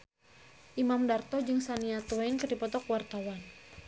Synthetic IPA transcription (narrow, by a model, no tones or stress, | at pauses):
ʔimamdart̪ɔd͡ʒɨŋsaniat̪uajnkɨrdipɔt̪ɔkwart̪awan